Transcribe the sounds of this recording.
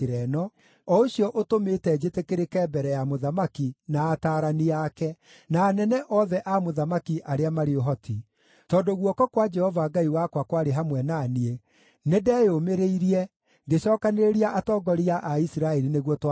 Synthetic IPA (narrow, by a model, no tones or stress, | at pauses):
eɾɛnɔ | ɔoɕjɔʔotometɛd͡ʒetekeɾekɛːbɛɾɛjamoðamakinaːtaːɾaniakɛ | naːnɛnɛʔɔðɛʔamoðamakiʔaɾeamaɾeoɦɔtʰi | tɔːndoɣwɔkɔkwad͡ʒɛhɔvaɡaiwakwakwaɾeɦamwɛnaːnie | nedɛːjomeɾeiɾiɛ | ŋɡeɕɔːkaneɾeɾiaʔatɔːɡɔɾiaʔaisiɾaɛɾineɣwɔtw